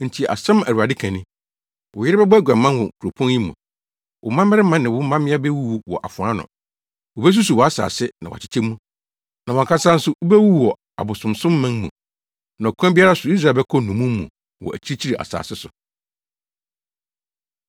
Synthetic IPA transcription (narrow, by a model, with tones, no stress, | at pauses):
n̩˨tʰi˨a̰˨sã˦mæ˨ɾu˨a˨dɪ˦kʰæ̃˨nɪ̃˦ | wʔʊ˨jɪ˦ɾɪ˦bɛ˦bɡʷᶣã˨mːã˦nwɔ̃˨ŋ˨kʰu˨ɾo˨pʰɔ̃˦nji˦mṵ̃˨ | wʔʊ˨mã˦mɪ˦ɾɪ˦mã˦nɪ̃˨wʊ˦mã˦mɪ̃˦a˦bɛ˦wu˦wu˦wɔ˨ʔa˨fʊ̃˨a˦nʊ̰̃˨ | wʊ˨bɛ˦s̬u˦su˨wɔ˨a˦sa̰ː˨sɪ˦nã˨wa̰˨t͡ɕʰɪ̥˦t͡ɕʰɛ˦mũ˦ | nã˨wɔ̃˨ŋ̩˨kʰa˦sa˦n̩˦sʊ˦wʊ˦bɛ˦wu˦˨wɔ˨ | a̰˨bʊ˨sʊ̃˨msʊ̃˦mː˦ã˦n˦mṵ̃˨ | nã˨kʰã˦bi˦a˦ɾa˦sʊ˨i˦s̬ɾa˨bɛ˦kʰɔ˦nũ˨mũː˦ṵ̃˨ | wɔ̰˨ʔæ̰˨t͡ɕʰi˦i˦t͡ɕʰi˦ɾi˨ʔa̰˨sa̰ː˨sɪ˦sʊ˨